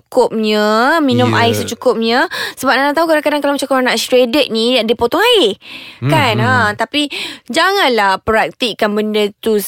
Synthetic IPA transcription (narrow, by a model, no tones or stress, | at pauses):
kʊp̚ɲəminʊmʔaɪsət͡ʃukʊp̚ɲəsəbap̚naʔnaʔt̪aɦukadaŋkadaŋkalamat͡ʃãkoɾaŋnaʔst̪ɾedət̪̚nĩadəpot̪ɔŋaɪkanat̪apid͡ʒaŋãnlahpəɾak̚t̪iʔkanbəndət̪u